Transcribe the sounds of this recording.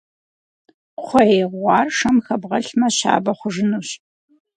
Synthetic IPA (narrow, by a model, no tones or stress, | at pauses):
qʷʰɔeːʁʷɑːrʂɐmxɐbʁɐɬmɐɕa̰ːbɐχʷʊʐɨnuːɕ